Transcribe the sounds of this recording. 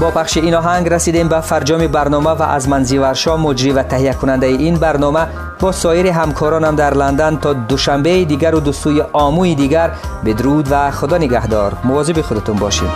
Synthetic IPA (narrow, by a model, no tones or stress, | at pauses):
bɔpʰaχʃiinɔɦaŋɡɾasid̪embafaɾd͡ʒɔmibaɾnɔmava̰ʔa̰zmanzivaɾʃɔmɔd͡ʒɾivat̪ʰaɦiakʰunand̪aiʔinbaɾnɔma | bɔsɔiɾiɦamkʰɔɾɔnamd̪aɾland̪ant̪ʰɔd̪uʃambeid̪iɡæɾud̪usujiʔɔmuid̪iɡæɾbid̪ɾud̪vaχud̪ɔːniɡaɦd̪ɔ̰ɾmuvɔzibiχud̪at̪unbɔʃḭd̪̥